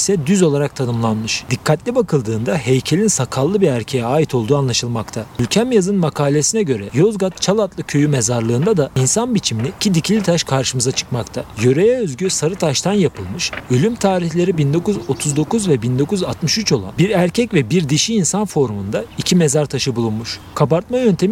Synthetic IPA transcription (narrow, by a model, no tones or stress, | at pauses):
sɛd̪yzo̞lˠaɾak̚t̪ʰanɯmlˠanmɯʃd̪̥ikʰːat̪lʲibakʰɯlˠd̪ɯːnd̪aɦe̞jcʰe̞lʲinsakʰalˠːɯbiɾæɾcʰejɛaːit̪ʰo̞lˠd̪uːanlˠaʃɯlˠmakt̪ʰaylʲcʰæmjazɯnmakʰaːlʲe̞sinɛɟø̞ɾɛjo̞zɡat̪̚t͡ʃʰalˠat̪lˠɯcʰø̞jyme̞zaɾlˠɯːnd̪ad̪ainsanbit͡ʃʰiminiicʰid̪icʰilʲit̪ʰaʃkʰaɾʃɯmɯzat͡ʃʰɯ̥kmakt̪ʰajø̞ɾejɛøzɟysaɾɯt̪ʰaʃt̪ʰanjapʰɯlˠmɯʃø̞lʲymt̪ʰaːɾiçlʲe̞ɾibind̪o̞kuzo̞t̪ʰuzd̪o̞kuzvɛbind̪o̞kuzat̪mɯʃyt͡ʃʰo̞lˠa̰nbiɾæɾcʰɛcvɛbiɾd̪iʃiːnsanfo̞ɾumund̪aicʰime̞zaɾt̪ʰaʃɯbulˠunmuʃ | kʰapaɾt̪̚majønt̪ʰe̞m